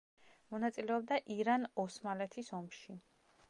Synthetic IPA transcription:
mɔnat̪sʼilɛɔb̚d̪aʔiɾanɔsmalɛt̪ʰisɔmʃi

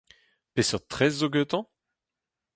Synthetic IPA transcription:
pesœʁt̪χɛzːoɡøt̪ɑ̃

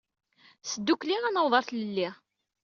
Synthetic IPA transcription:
səd̪ːukliʁænəwðˤɑɾˤθləlːiʁ

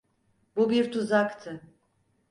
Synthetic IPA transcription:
bubiɾt̪ʰuzakt̪ʰɯ

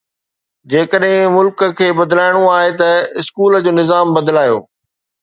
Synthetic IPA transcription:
d͡ʑeːkəɗɦɪ̃mʊlkə̆kʰeːbɐd̪laːɪɽ̃oaːɦet̪ɐɪskuːləd͡ʑoːnɪzaːmbɐd̪laːjo̰ː

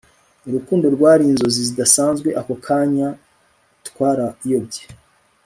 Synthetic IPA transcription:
uɾukuːndo̞ɾɡwaːɾiːnzo̞zizidasaːnzɡwe̞ʔako̞kʰaːɲa | tkwaːɾaijo̞bɟe̥

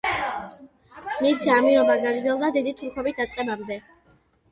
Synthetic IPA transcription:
misamiɾɔbaɡaɡɾd̪zɛlˠd̪ad̪id̪it̪ʰuɾkʰɔbit̪̚d̪at̪sʼqʼɛbamd̪ɛ

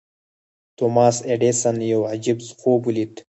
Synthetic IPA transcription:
t̪omaːseɖesanjowʕad͡ʑibzqoːbulit̪

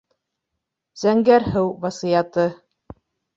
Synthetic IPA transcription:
z̥æŋɡæɾhɘwvɑsijɑt̪ɤ

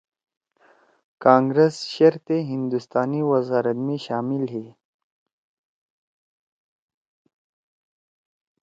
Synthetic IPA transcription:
kɑ̃ːŋɡɾesʃeɾt̪eɦɪnd̪ust̪ɑːniwɐzɑːɾɐt̪miʃɑːmɪlɦi

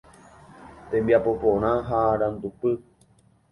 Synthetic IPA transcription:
t̪ẽmbiapopõɾ̃ãɦaɾãnd̪upɨ

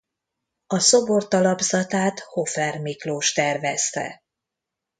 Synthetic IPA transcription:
ɒso̞bort̪ɒlɒbzɒt̪aːt̪ho̞fɛrmikloːʃt̪ɛrvɛst̪ɛ̰

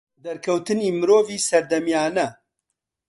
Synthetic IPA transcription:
d̪ɐɾkʰɐwt̪ɨniːmɨɾoːviːsɐɾd̪ɐmjaːnɐ

